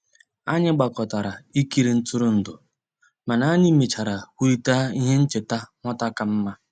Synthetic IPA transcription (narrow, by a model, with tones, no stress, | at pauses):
a˦ɲɪ˦ɡ͡ba˨kɔ˨ta˨ɾa˨i˦ki˦ɾi˨n̩˦tʊ˦ɾʊ˦n̩˨dʊ˨ | ma˨na˨a˦ɲɪ˦me˨t͡ʃa˨ɾa˨kʷi˦i˦ta˦i˦ɦe˦n̩˦t͡ʃɪ˨ta˦ŋʷɔ˦ta˦ka˨m̩˦ma˦